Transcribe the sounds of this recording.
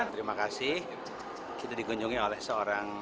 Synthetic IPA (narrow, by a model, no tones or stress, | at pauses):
t̪əɾimakasɪh | kit̪adiɡuɲd͡ʒuŋiolɛhsəoɾaŋ